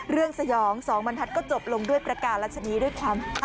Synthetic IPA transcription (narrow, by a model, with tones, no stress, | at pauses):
ɾɯ˥˩əŋsa˧jɔː˩˦ŋsɔː˩˦ŋba˧ntʰa˦˥t̪̚kɔː˥˩t͡ɕo˨˩p̚lo˧ŋdu˥˩əjpɾa˧kaː˨˩ɾa˦˥t̪̚t͡ɕʰa˧niː˦˥du˥˩əjkʰwaː˧m˥